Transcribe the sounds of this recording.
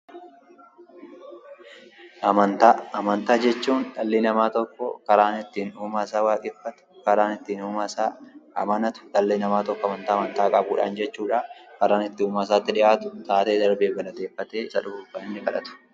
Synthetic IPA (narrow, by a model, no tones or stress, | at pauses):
ʔɐmɐnt̪aɐmɐnt̪aːd͡ʒɛt͡ʃːuːnᶑɐlːinɐmaːt̪ɔkːɔ̰kɐɾaːnɪt̪ːiːnuːmaːsaːwaːkʼɪfːɐt̪ʊ̥kɐɾaːnɪt̪ːiːnuːmasaːɐmɐnɐt̪ʊ̥ᶑɐlːiːnɐmaːt̪ɔkːɔɐmɐnt̪aːmɐnt̪aːkʼɐbuːᶑa̰ːnd͡ʒɛt͡ʃːuːᶑaːkɐɾaːnɪt̪ːɪuːmaːs̬aːt̪ːɪᶑɪʔaːt̪ʊ̥t̪aːt̪e̞ːd̪ɐɾbe̞ːbɐlɐt̪eːfːɐt̪eːɪsɐ̰ᶑʊbubɐnːɪkɐᶑɐ̰t̪ʊ̥